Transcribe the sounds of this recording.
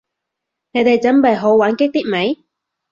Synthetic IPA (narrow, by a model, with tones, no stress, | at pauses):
ne˨˧jt̪e˨jt͡sɐ˨˥mpɐ˨˩jɦo˨˧˥wwaː˨˥nkɪ˥k̚t̪iː˥k̚me˨˥j